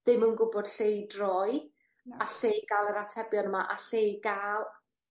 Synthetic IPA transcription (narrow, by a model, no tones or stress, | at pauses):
ðɪmənɡʊbɔd̥ɬejdrɔj | aɬejɡalˠəɾatʰɛbjɔnəmaʔaɬejɡalˠ